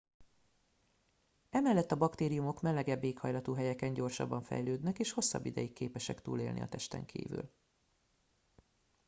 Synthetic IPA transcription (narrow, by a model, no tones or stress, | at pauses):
ɛmɛlːɛt̪ːɒbɒkt̪eːɾijumo̞kmɛlːɛɡɛbːeːkhɒjlɒt̪uːɦɛjɛkɛɲɟo̞rʃɒ̰bːɒɱfɛ̰jløːd̪nɛkeːʃho̞sːɒ̰bːid̪ɛjikːeːpɛʃɛkt̪ṵːlḛːlnʔḭɒ̰t̪ɛʃt̪ɛ̰ŋkʰḭːvy̰l